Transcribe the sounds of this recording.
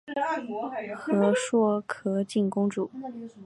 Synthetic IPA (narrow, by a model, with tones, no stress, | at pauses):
xɤ˧˥ʂwɔ˥kʰɤ˧˥t͡ɕi˥˩nkʊ˥ŋʈ͡ʂu˨˩˦